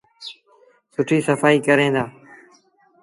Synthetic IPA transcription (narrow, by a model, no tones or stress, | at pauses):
sʊʈʰiːsəfaːiːkəɾẽːd̪aː